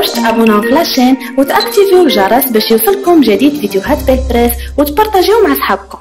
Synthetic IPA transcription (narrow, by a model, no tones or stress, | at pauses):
æʃt̪ʔæbunʊflæʃæn | wt̪ʔækt̪ivuwʒɑɾˤɑsbæʃjusˤəlkʊmʒæd̪id̪fid̪juɦæt̪bɛt̪ɾɛswt̪bɑɾˤt̪æʒimaʕasħɑb̚kʊ